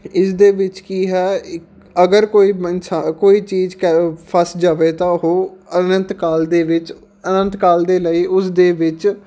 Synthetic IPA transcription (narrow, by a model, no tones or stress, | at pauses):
ɪsd̪eːʋɪt͡ʃkiːɦɛː | əɡəɾkoːiːɪnsakoːiːt͡ʃiːzkəpʰəsd͡ʒaːʋeːt̪ãːɦoːənə̃nt̪kaːld̪eːʋɪt͡ʃ | ənə̃nt̪kaːld̪eːləiːʔʊsd̪eːʋɪt͡ʃ